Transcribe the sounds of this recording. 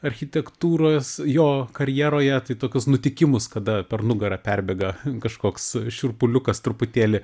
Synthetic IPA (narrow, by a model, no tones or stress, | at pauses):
ɐɾʲxʲɪt̪ʲɛkt̪uːɾoːsjoːkɐɾʲjɛːɾoːjɛt̪ɐɪt̪oːkʲʊsnʊt̪ʲɪkʲɪmʊskɐd̪ɐpʲɛrnʊɡɐɾɐpʲærʲbʲɛːɡɐkɐʃkoːksʃʲʊrpʊlʲʊkɐst̪ɾʊpʊt̪ʲeːlʲɪ